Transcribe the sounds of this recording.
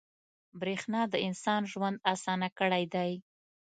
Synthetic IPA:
bɾexnɑd̪əɪnsɑnʒwand̪asɑnakəɽajd̪aj

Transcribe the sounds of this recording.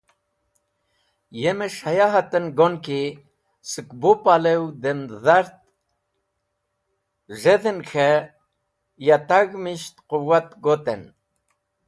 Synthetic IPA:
jemeʂajaɦat̪ənɡonki | sɨkbopalewd̪enzaɾt̪̚ | ʐeðənxʰe | jat̪aɡmiʃt̪quwat̪ɡot̪en

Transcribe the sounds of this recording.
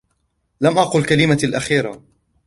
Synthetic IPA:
lamʔɑqʊlkalɪmalʔaxiːɾa̰

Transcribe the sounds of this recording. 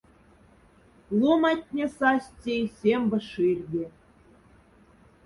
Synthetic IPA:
lˠumɑtʲnʲĕsɑsʲtʲejsʲembɤ̆ʃirʲdʲe

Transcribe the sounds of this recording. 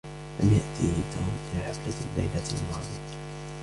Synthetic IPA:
lamjaʔt̪ʰint̪ʰumʔɪlaħaflalːa̰jlalmɑːðˤija

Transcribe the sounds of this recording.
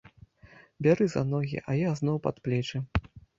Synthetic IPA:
bʲaɾɨza̰nɔɣʲḭʔɐjaznɔwpat̪plʲɛt͡ʂɨ

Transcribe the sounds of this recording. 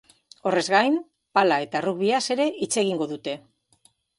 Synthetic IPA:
o̞re̞zɣajm | palae̞t̪aruɣβiase̞ɾe̞ʔit͡se̞ɣ̞iŋɡo̞ðut̪e̞

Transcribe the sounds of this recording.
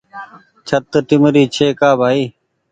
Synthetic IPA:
t͡ʃʰət̪ːʈɪmɾiːt͡ʃʰeːkaːbʱaːiː

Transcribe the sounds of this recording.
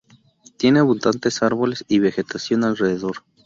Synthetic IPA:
t̪je̞ne̞βund̪ant̪e̞saɾβo̞le̞siβe̞xe̞t̪asjo̞nalreðeðo̞ɾ

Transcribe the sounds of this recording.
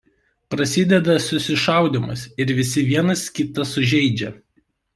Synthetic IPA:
pɾɐsʲɪd̪ʲɛd̪ɐsʊsʲɪʃɑˑʊd̪ʲɪmʊ̰sʲɪɾʋʲɪsʲɪʋʲiɛnɐskʲɪt̪ɐsʊʒʲɛɪd͡ʒʲɛ

